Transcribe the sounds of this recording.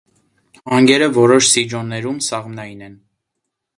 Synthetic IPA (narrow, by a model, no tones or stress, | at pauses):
ɑŋɡɛɾəvɔɾɔʃsid͡ʒɔnːɛɾumsɑʁmnɑjinɛn